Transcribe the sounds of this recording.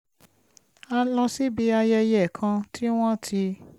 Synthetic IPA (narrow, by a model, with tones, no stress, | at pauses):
a˧lɔ̃˧si˦bi˨˧˦a˧jɛ˧jɛ˨kʰã˧tʰi˦w̃ɔ̃˦tʰi˧